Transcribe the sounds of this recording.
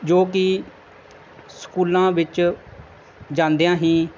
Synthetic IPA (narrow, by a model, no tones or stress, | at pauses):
d͡ʒoːk̬ɪ | skuːlãːʋɪt͡ʃ | d͡ʒãːnd̪eːãːɦĩː